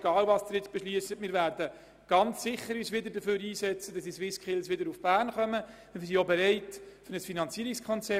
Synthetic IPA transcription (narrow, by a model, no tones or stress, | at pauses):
ɡ̥ɑːlvɑsd̥əɾjɪt͡sb̥ɛʃliəsətmɪːɾʋæːɾdə | ɡ̥ɑnt͡sːɪχːəɾyːsʋɪd̪ədəføːɾiːsɛt͡səd̥ɑsd̥isʋɪskʰχɪlsʋɪdəɾufb̥æːɾnχœmə | ɪsiobɛɾɛɪtfʏɾnəsfinɑnt͡siːəɾikskʰɔnt͡sɛ